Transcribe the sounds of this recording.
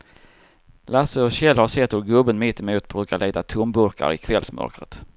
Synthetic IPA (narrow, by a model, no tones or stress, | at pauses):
lasəɔɕɛlhasɛt̪ʰːɔlɡɵbːənmɪt̪ːɛmuːt̪bɾʉ̟ːkaɭɛːt̪at̪ʰɵmbɵɾkʰa̰ɾɪ̰kʰvɛlsmœ̰ɾkɾə̰t̪